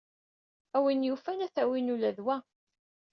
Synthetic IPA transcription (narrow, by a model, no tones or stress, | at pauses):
æwinjufænæθæwinulæðwæ